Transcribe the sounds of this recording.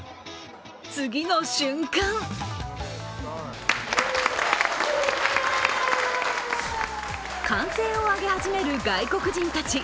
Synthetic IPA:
t͡sɨɡʲino̞ɕɨ̃ŋkãŋ | kãɰ̃se̞ːoaɡe̞haʑime̞ɾɯ̟ɡaiko̞kɯ̟ʑĩnt̪at͡ɕi

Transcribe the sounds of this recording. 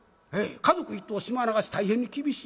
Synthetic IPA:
hekazokɯit̪ːoːɕimanaɡaɕi̥t̪aihẽɲːikʲibʲiɕi

